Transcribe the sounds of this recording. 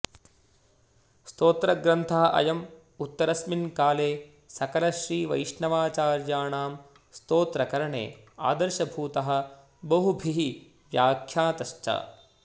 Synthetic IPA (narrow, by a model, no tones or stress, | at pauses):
st̪oːt̪ɾɐɡɾɐnt̪ʰɐɦɐʔɐ̰jɐm | ut̪ːɐɾɐsminkaːleː | sɐkɐlɐʃɾiːʋɐ̰jʂɳɐʋaːt͡ʃaːɾjaːɳaːm | st̪oːt̪ɾɐkɐɾɐɳḛː | a̰ːd̪ɐɾʃɐbʱuːt̪ɐɦɐ̆ | bɐɦubʱiɦi | ʋjaːkʰjaːt̪ɐʃt͡ʃɐ̰